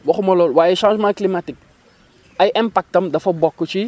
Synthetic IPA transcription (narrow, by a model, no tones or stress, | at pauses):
wɐxumɐlɔːlwaːjɛʃãnsmãklimatik̚ | ʔɐjʔɛmpak̚tɐmdɐfɐbɔkːut͡ʃi